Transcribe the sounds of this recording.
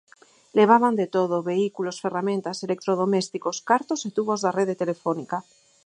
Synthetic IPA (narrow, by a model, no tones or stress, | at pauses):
leβ̞aβand̪et̪oð̞oβe̞ikulosferamẽnt̪aselek̚t̪ɾoð̞omest̪ikoskaɾt̪oset̪uβozðareðet̪elefonika